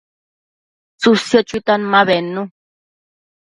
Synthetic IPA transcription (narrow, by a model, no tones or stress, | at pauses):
t͡susjot͡ʃut̪anmãβenũ